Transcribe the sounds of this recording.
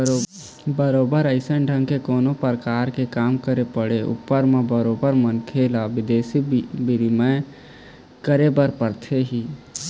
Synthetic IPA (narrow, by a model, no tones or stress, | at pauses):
bəɾoːbəɾəɪsənɖʱə̃ŋɡkekoːnopəɾəkaːɾkekaːmkəɾepəɽeʊ̰pːəɾmẽbəɾoːbəɾmənkʰeːlaʋɪd̪eːsibɪɾimə̃ | kəɾebəɾpəɾt̪ʰeɦiː